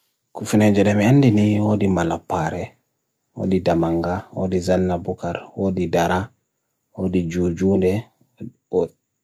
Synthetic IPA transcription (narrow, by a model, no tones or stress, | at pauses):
kufinɛd͡ʒɛɗɛmianːdiniwodimalapːaɾɛ | wo̰didamaŋɡawo̰dizanːabukaɾwoːdidaɾa | wodid͡ʒud͡ʒundɛ